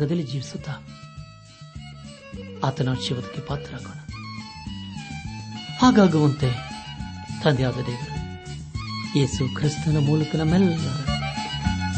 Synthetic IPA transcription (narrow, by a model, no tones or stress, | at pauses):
ɡɐd̪elid͡ʒiːʋisut̪a | ɐt̪ɐnaːʃiʋɐt̪i̥kːipaːt̪ɾakunɐ | aːɡaːɡɐʋɐnt̪e | t̪ɐnd̪jaːɡɐd̪eːʋɐnu | jeːsukʰɾist̪unɐmuːlɐkɐnɐmɛlːɐnɐnɐ